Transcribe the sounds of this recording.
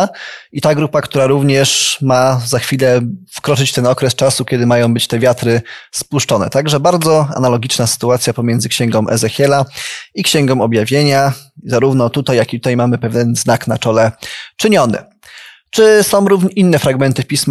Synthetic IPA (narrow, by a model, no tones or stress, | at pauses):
it̪aɡɾupakt̪uɾaɾuvɲɛʂmazaxfʲilɛfkɾɔt͡ʂɘt͡ɕt̪ɛnɔkɾɛst͡ʂasukʲɛd̪ɘmajɔ̃w̃bɘt͡ɕt̪ɛvʲjat̪ɾɘspuʂt͡ʂɔnɛ̰t̪aɡʐɛbaɾd̪zɔa̰nalɔɡʲit͡ʂnasɘ̥t̪uat̪sʲjapɔmjɛnd̪zɘkɕɛŋɡɔ̃w̃ʔɛ̰zɛxʲjɛlaikɕɛŋɡɔ̃w̃ɔbjavʲjeɲazaɾuvnɔt̪ut̪ajːakʲit̪u̥t̪ajmamɘpɛvʲjɛnznakna̰t͡ʂɔlɛt͡ʂɘɲɔnɘ̰ | t͡ʂɘsɔ̃w̃ɾuvinːɛfɾaɡmɛnt̪ɘpʲism